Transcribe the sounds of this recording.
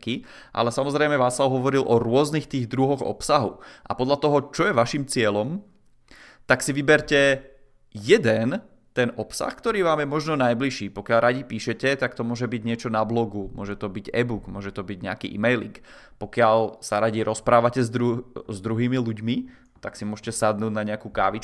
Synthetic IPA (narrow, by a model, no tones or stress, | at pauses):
ki | ʔa̰lɛsamɔzɾɛjmɛʋaːslaʊɦɔʋɔɾilʔɔɾʊɔznixt̪iːɣd̪ɾuɦɔɣɔ̰psaɦuʔa̰pɔd̪ʎat̪ɔɦɔt͡ʃɔjɛʋaʃimt͡sɪɛlɔm | t̪aksiʋibɛɾcɛ | jɛd̪ɛn | t̪ɛnʔɔpsa̰xkt̪ɔɾiːʋaːmjɛmɔʒnɔnajbliʃiːpɔkɪaʎɾaɟipiːʃɛcɛt̪akt̪ɔmʊɔʒɛbiɟɲɪɛt͡ʃɔnablɔɡumʊɔʒɛt̪ɔbiɟɛbuɡmʊɔʒɛt̪ɔbiɟɲɛ̰a̰kḭːʔḭmɛjlḭŋk | pɔkɪaʎsaɾaɟiɾʔɔspɾaːʋacɛzd̪ɾuzd̪ɾuɦiːmiluɟmi | t̪aksimʊɔʒɛcɛsad̪nuːd̪naɲɛakuka̰ːʋit͡ʃ